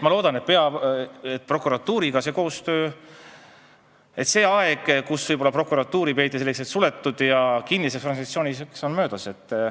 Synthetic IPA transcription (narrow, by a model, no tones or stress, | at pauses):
mɑlo̞ːd̪ɑne̞t̪̚pe̞ɑet̪̚pro̞kːuɾɑt̪ːuːɾiɡ̥ɑse̞ːko̞ːst̪ø̞ː | e̞t̪se̞ːɑeɡ̥kusv̥ɤjb̥o̞lːɑpro̞kuɾɑt̪ːuːɾipe̞jt̪ːˑiselːekset̪sule̞t̪ːud̪̥jɑkinːisest̪ɾrɑnsɑt̪sio̞ːnisekso̞nmø̞ːd̪̥ɑse̞t̪ː